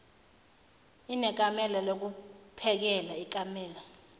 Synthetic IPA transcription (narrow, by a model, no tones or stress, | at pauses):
inɛk̬ʼamɛlalok̬upʰɛk̬ɛlaik̬ʼamɛːla